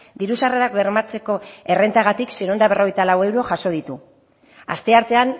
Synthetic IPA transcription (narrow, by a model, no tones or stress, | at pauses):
d̪iɾusareɾakβe̞ɾmat͡se̞ko̞e̞re̞nt̪aɣ̞at̪ikseɾo̞nd̪aβ̞e̞rʔo̞ɣ̞ejt̪alawe̞wɾo̞ʝaso̞ð̞it̪u | a̰st̪e̞aɾt̪e̞an